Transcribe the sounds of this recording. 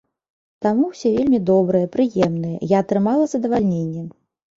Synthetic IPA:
t̪amuwsʲevʲelʲmʲid̪ɔbɾɨjɐpɾɨjɛmnɨjɐ̰jaːt̪ɾɨmalˠɐzɐd̪ɐvalʲnʲenʲːɛm

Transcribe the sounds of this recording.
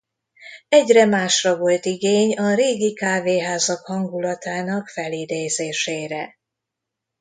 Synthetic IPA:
ɛɟrɛmaːʃrɒvo̞lt̪iɡeːɲɒɾeːɡikaːveːɦaːzɒkhɒŋɡulɒt̪aːnɒkfɛlid̪eːzeːʃeːɾɛ

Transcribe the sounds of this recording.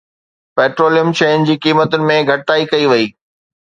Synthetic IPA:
pɛːʈɾoːlijəmt͡ɕẽːnd͡ʑiːkiːmət̪ʊnɪ̆mẽɡʱɐʈaːikɐiʋɐiː

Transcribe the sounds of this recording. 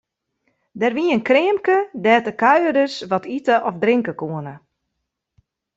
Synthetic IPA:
dɛrʋiənkrɪːmkədɛːtəkœɥədəsʋɔtʰitəʔɔfdriŋkəkuənə

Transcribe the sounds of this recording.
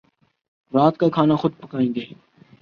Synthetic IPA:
ɾaːt̪kaːkʰaːnaːxʊd̪̚pəkaːĩːɡ̪eː

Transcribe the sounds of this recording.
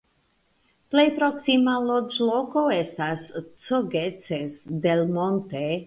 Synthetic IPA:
ple̞jpɾo̞ksimalod͡ʒloko̞estast͡soɡet͡sesde̞lmo̞nte

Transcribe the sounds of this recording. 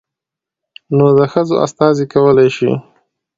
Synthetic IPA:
nod̪əxəzo̰ʔa̰st̪ɑzikawəlajʃḭ

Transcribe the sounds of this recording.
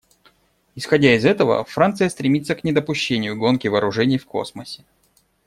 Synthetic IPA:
ɪsxɐdʲaɪzɛt̪əvə̰fɾant̪sɨjəst̪ɾʲɪmʲit̪səknʲɪd̪əpʊɕːenʲɪjʊɡo̞nkʲɪvɐːɾʊʐɛnʲɪjfko̞̰sməsʲɪ̥

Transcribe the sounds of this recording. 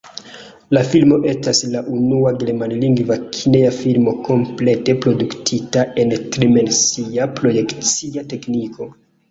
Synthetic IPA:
lafilmo̞ʔe̞staslaʔunuaɡeɾemanliŋɡvakʰineafilmo̞ko̞mple̞te̞pɾo̞duktʰitae̞ntɾime̞nsiapɾo̞je̞kt͡siateknikʰo̞

